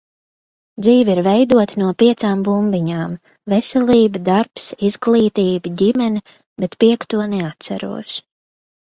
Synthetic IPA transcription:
d̪ziːviɾvɛjd̪uɔt̪nuɔpiɛt̪saːmbumbiɲaːm | vɛsʲɛlʲiːbɨd̪aɾpsizɡlˠiːt̪iːbɨɟimɛnʲi | bɛt̪piɛkt̪uɔnɛat̪sa̰ɾṵɔʃ

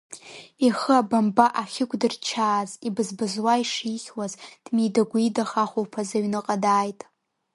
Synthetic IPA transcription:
iχəabambaʔaχʲɪkʷʼdɨrt͡ʃʰaːzibɨzbɨzwaiʂiːχʲwazd̥mijdaɡʷijdaχaχʷowpʰazaɥnɨqʼadaːjtʼ

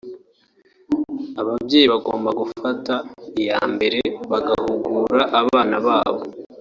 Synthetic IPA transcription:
aβabɟe̞ːjiβaɡo̞ːmbaɡufataija̰ːmbe̞ɾe̞βaɡahuɡuːɾaʔːβaːnaβaːβo̞

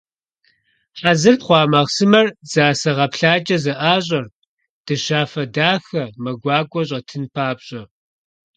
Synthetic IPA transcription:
ħazɨrtχʷɑːmɐʁsɨmɐrz̥aːsɐʁɐpɬaːt͡ʃʼɐzɐʔaːɕ̬ʼɐr | d̥ɨɕaːfɐdaːxɐmɐɡʷɑːkʷʼɔɕ̬ʼɐtʰɨnpʰaːbɕʼɐ

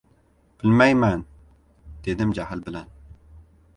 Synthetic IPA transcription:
b̥ɪlmɛjmɛn | d̪̥ed̪ɪmd͡ʒæhɪlbɪlɛn

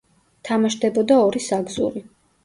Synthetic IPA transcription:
t̪ʰamaʃd̪ɛbɔd̪aɔɾisaɡzṵɾi

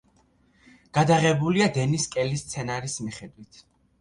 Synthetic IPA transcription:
ɡ̥ad̪aʁɛbuliad̪ɛniskʼɛlist̪sʰɛnaɾismiχɛd̪wit̪ʰ

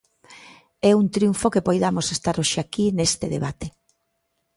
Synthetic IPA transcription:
ɛunt̪ɾjuɱfokepojðamosest̪aɾoʃeakinest̪eðḛβat̪e

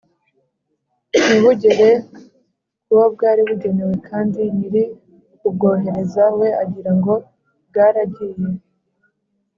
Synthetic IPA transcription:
niβuɟe̞ɾe̞ | kuβab̚ɡaːɾiβuɟe̞ne̞we̞kʰaːndiniɾi | ubɡo̞ːɦe̞ɾe̞zawe̞aɟiɾaŋɡo̞ | b̚ɡaːɾabɟiːje̞

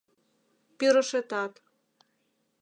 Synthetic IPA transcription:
piɾə̆ʃet̪ɑt̪

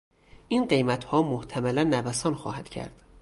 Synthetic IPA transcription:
ʔinɢe̞jmæt̪ʰhɒːmoht̪ʰæmælænːævæsɒːnxɒ̰ːhæd̪̥cʰæ̰ɾd̪̥

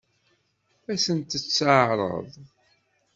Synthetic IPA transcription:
æsənt̪ət͡sːəʕɾˤə̰ðˤ

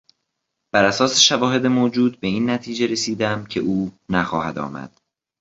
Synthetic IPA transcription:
b̥æɾæsɒːse̞ʃævɒːɦe̞d̪emoːd͡ʒuːd̪̚be̞iːnːæt̪ʰiːd͡ʒe̞ɾe̞siːd̪æmcʰe̞̰ʔuːnæxɒ̰ːhæd̪ɒ̰ːmæ̰d̪̥

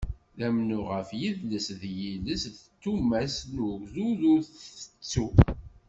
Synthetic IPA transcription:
ðæmnuʁəfjiðləsðjiləsðt̪ːumæsnuɡzuðʊɾθə̥t͡sːu

